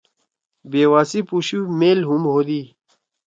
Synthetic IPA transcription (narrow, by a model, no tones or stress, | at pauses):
beːwaːsipuɕumeːlɦumɦoːd̪iː